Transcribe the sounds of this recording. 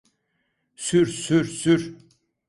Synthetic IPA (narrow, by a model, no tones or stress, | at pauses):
syɾsyɾsyɾ